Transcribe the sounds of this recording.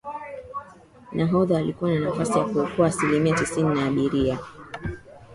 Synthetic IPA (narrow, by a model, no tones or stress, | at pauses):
nʔaɦɔðaːlikuwananafasijakuukuaːsilimiatisininaːɓiɾia